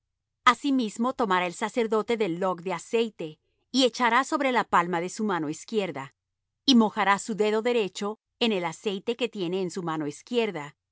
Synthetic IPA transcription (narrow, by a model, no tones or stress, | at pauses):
asimizmo̞t̪o̞maɾae̞lsase̞ɾðo̞t̪e̞ðe̞lːo̞kd̪e̞ase̞jt̪e̞ | ie̞t͡ʃaɾaso̞βɾe̞lapalmaðe̞sumano̞iskje̞ɾða | imo̞xaɾasuðeðo̞ðe̞ɾe̞t͡ʃo̞ | ene̞lase̞jt̪e̞ke̞t̪je̞ne̞ːnsumano̞iskje̞ɾða